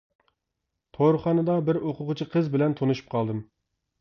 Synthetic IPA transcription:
t̪ʰoɾχɑnɨd̪ɑbɪɾoqʰʊqʊt͡ʃʰiqʰəzbɪlɛnt̪ʰonuʃu̥p̚qʰɑlˠd̪ɨm

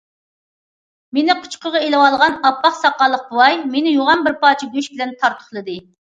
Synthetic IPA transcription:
menɪqʰʊ̥t͡ʃqəʁɑelɪwɑlˠʁɑnɑpːɑχsɑqːɑlˠːəq̚bʊwɑjmenɪjoʁɑnbɪɾpɑːt͡ʃʰiɡʲøʃbɪlɛnt̪ʰɑɾt̪ʰʊ̥χlˠɨd̪ɨ

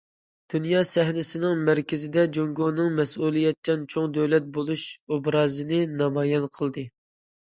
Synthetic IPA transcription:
d̪̥unjɑːsɛhnɪsɪnɪŋmæɾkʲɪzɪd̪ɛd͡ʒoŋɡonɨŋmɛsuːlˠijɛt̪̚t͡ʃʰɛnt͡ʃʰoŋd̪ɛwlɛt̪̚bolˠuʃobɾɑːzɨnɨnɑmɑːjɛnqʰəlˠd̪ɨ

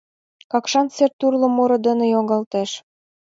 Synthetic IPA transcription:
kɑkʃɑnt͡sert̪urlɤ̆moɾɤ̆d̪ə̆nə̆joŋɡɑlt̪eʃ

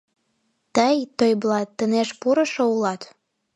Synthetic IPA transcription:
t̪əjt̪ojblɑt̪ːə̆neʃpuɾɤ̆ʃoulɑt̪

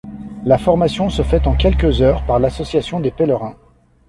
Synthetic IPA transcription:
lafɔʁmasjɔ̃səfɛt̪ɑ̃kʲɛlkʲəzœːʁpaʁlasɔsjasjɔ̃d̪epɛləʁɛ̃

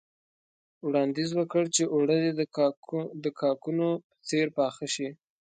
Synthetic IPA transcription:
wɽɑnd̪izwəkəɽt͡ʃeʔoɽəd̪e | d̪əkʰɑkunopə̥t͡seɾpɑːxəʃi

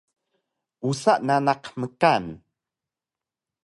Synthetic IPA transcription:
ʔusaʔnanaqməkan

